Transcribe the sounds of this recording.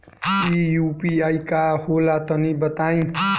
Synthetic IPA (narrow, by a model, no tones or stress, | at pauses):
ijupiajkaholat̪ʌnibʌt̪aj̃